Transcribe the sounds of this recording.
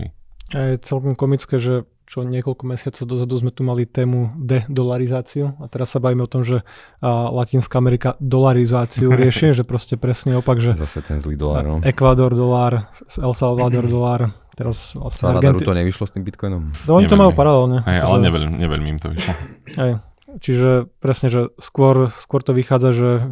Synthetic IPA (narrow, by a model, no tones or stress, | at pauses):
ajɛt͡sɛlkɔmkɔmit͡skɛːʒɛ | t͡ʃɔɲɪɛkɔlkɔmɛsɪat͡sɔʊd̪ɔzad̪uzmɛt̪umalit̪ɛːmud̪ɛd̪ɔlaɾizaːt͡siuat̪ɛɾasːabaʋiːmɛɔt̪ɔmʒɛ | lacinskaamɛɾikad̪ɔlaɾizaːt͡siuɾɪɛʃiʒɛpɾɔscɛpɾɛsniɔpaɡʒɛza̰sɛt̪ɛnzliːd̪ɔla̰ɾnɔɛkʋad̪ɔɾd̪ɔlaːɾ | sɛlsɛlʋad̪ɔɾd̪ɔlaːɾ | t̪ɛɾasla̰sɲɛaɾdɡɛnɾut̪ɔɲɛʋiʃlɔst̪iːmbit̪̚kɔjnɔmnɔɔɲit̪ɔmajuːpaɾalɛlɲɛɦɛja̰lɛɲɛʋɛ̰ʎmɲɛʋɛ̰ʎmiːmt̪ɔʋiʃlɔhɛj | t͡ʃiʒɛpɾɛsɲɛʒɛskʊɔɾskʊɔɾt̪ɔʋixaːd͡zaʒɛ